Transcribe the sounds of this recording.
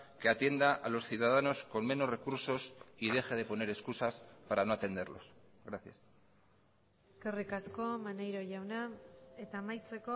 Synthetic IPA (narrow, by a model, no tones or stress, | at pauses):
ke̞at̪je̞nd̪aʔalo̞sθjuðað̞ano̞sko̞mme̞no̞zre̞kuɾso̞sið̞e̞xeð̞e̞po̞ne̞ɾe̞skusaspaɾano̞at̪e̞nd̪e̞ɾlo̞̰s | ɣɾaθja̰s | eske̞rikasko̞manejɾo̞ʝawnae̞t̪aːmajt͡se̞ko